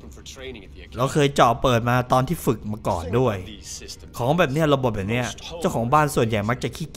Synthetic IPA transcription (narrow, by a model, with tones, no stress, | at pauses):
lɛ˧˥˩wkʰɤː˧jt͡ɕɔː˨˩pːɤː˨˩t̪̚maː˧t̪ɔː˧nt̪ʰiː˥˩fɯ˨˩k̚maː˧kɔ̰ː˨˩ndu˥˩əj | kʰɔː˩˦ŋbɛː˨˩p̚ni˥˩ɐɾa˧bo˨˩t̪̚bɛː˨˩pni˦˥˩ɐt͡ɕa˥˩wkʰɔː˩˦ŋbaː˥˩nsu˨˩ənja˨˩jma˦˥k̚t͡ɕa˨˩kʰiː˥˩